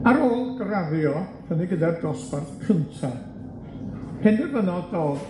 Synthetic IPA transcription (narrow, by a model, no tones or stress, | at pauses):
aɾoːlˠɡɾaðjɔv̥ʰəniɡədardɔsparθkʰəntʰa | hʰɛndɪrvənɔdoːð